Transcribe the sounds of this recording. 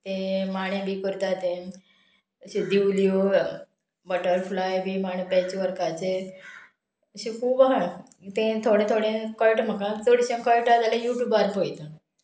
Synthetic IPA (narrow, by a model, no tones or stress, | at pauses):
t̪ẽmaɽ̃ẽbikəɾt̪at̪ẽ | əɕed̪iwlio | bəʈəɾflajbimaɽ̃ẽpɛ̃t͡ɕeʋəɾkat͡se | əɕẽkʰuːbɦaɽ̃ə | t̪ẽt̪ʰoɽẽt̪ʰoɽẽkəlʈm̤əkat͡soɽiɕẽkəlʈad͡zalejuʈjuːbaɾpojt̪ə